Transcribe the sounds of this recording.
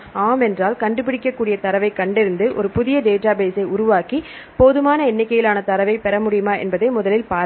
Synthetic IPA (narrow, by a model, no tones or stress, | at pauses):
aːmɛndraːlkɐɳɖɯp̬ɪɽɪkːɐkːuːɽɪjɐt̪ɐɾɐʋɐɪkːɐɳɖɪɾɯnd̪ɯʔɔ̰ɾɯpʊðɪjɐɖeːʈaːbeːsɐɪʊɾʊʋaːki | poːðɯmaːnɐɛnːɪkːɐjɪlaːnɐt̪ɐɾɐʋɐɪpɛɾɐmʊɽɪjɯmaːʔɛ̰nbɐðeɪmʊðɐlɪlpaː